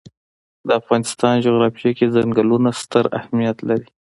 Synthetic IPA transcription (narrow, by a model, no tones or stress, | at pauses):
d̪əafɣɑnɪst̪ɑnd͡ʒoɣɾɑfijakezaŋɡalunast̪əɾa̰hmijat̪laɾi